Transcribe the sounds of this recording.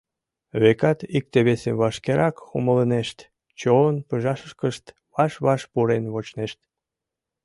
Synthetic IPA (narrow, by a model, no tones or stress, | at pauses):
βekɑt̪ik̚t̪eβeseβɑʃkeɾʔɑkumələneʃt̪ | t͡ɕonpəʒɑʃəʃkəʃt̪ | βɑʃβɑʃpuɾenβot͡ɕneʃt̪